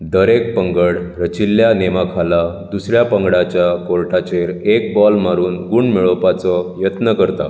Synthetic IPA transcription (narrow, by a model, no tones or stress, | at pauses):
d̪əɾek̚pəŋɡəɽɾət͡ɕilːjanemakʰala | d̪usɾjapəŋɡɽat͡ɕjakoɾʈʰat͡ɕeɾek̚bɔlmaɾuːnɡuɳɖmiɭɔpat͡sɔjət̪nəkəɾt̪a̰